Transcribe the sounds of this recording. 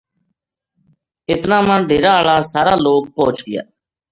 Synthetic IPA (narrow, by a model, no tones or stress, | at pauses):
ɪt̪nãːmənɖʱeːɾãːəɭãːsaːɾaːloːk̚poːt͡ʃɡɪja̰ː